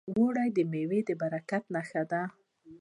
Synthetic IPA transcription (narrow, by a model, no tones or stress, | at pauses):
woɽajd̪əmewed̪əbaɾakat̪naxad̪a